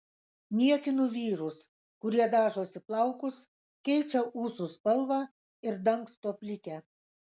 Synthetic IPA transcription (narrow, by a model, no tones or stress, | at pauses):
mʲiɛkʲɪnuʋʲiːɾʊs | kʊɾʲiɛd̪ɑːʒoːsʲɪplˠɐʊkʊs | kʲɛɪt͡ʃʲɛʔuːsʊspɐlˠʋɑː | ɪɾd̪ɐŋkst̪oɔpʲlʲɪkʲɛ